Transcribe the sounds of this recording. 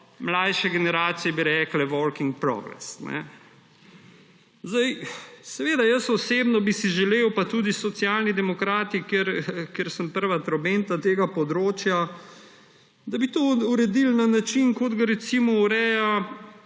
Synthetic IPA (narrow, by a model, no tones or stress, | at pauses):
mlajʃɛɡɛnɛɾaːt̪sijɛbiɾɛːklɛʋɔlkiŋɡ̚pɾɔ̰ːɡɾɛ̰snɛ̰ | zd̪ajsɛʋeːd̪ajəsɔseːbnɔbisiʒɛlewpat̪uːd̪isɔt̪sjaːlnid̪ɛmɔkɾaːt̪ikeɾkjeɾsəmpəɾʋat̪ɾobent̪at̪eːɡapɔd̪ɾoːt͡ʃja | d̪abit̪ouɾɛd̪ilnanat͡ʃinkod̪ɡaɾɛt̪simɔuɾɛːja